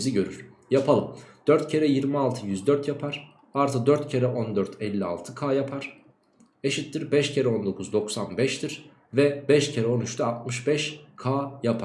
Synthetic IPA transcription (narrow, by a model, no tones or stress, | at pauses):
ziɟø̞ɾyɾ̥ | japʰalˠɯmd̪̥øɾt̪cʰe̞ɾɛjiɾmialˠt̪ʰɯjyzd̪øɾt̪ʰjapʰaɾ̥ | aɾt̪ʰɯd̪øɾt̪cʰe̞ɾɛʔo̞nd̪øɾt̪ʰɛlʲːia̰lˠt̪ʰɯkʰaːjapʰaɾ̥ | eʃit̪ːiɾbɛʃcʰe̞ɾɛo̞nd̪o̞kʰuzd̪o̞ksanbɛʃt̪ʰiɾ | vɛbɛʃcʰeɾɛo̞nyt͡ʃt̪ʰɛat̪̚mɯʃbɛʃkʰaːjapʰa